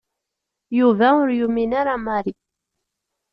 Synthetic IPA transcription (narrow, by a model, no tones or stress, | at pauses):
juvæʊɾjuminaɾamaɾi